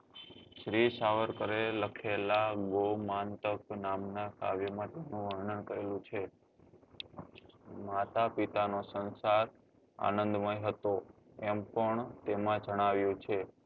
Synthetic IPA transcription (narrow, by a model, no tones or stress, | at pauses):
ʃɾisaʋəɾkəɾeləkʰelaɡomant̪əknamnaka̰ʋjəmãt̪enũʋəɾɳənkəɾelũt͡ʃʰe | mat̪apit̪anosə̃nsaɾ | a̰nə̃nd̪məjɦət̪o | ɛmpəɳt̪emãd͡ʒəɽ̃aʋjũt͡ʃʰe